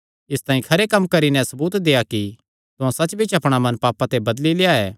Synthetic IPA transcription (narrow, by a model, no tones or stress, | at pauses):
ɪst̪ãːĩkʰɐɾekɐmːkɐɾinɛ̃sɐbuːt̪d̪eːaki | t̪ʊãsɐt͡ʃːbit͡ʃʰɐpɽ̃amɐ̃npaːpãt̪ebɐd̪lileaɛː